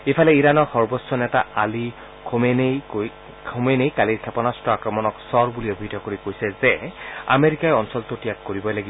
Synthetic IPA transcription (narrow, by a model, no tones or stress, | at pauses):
epʰalɛiɹanɔɹxɔɹbɔsːɔnɛtaali | kʰomenejo | kʰomenejkaliɹkʰɛpɔnastɔakɹɔmɔnɔksɔɹbuliobʱitɔkoɹikojsɛzɛa̰meɹikajɔnsɔltotijakːoɹibɔjlaɡibɔ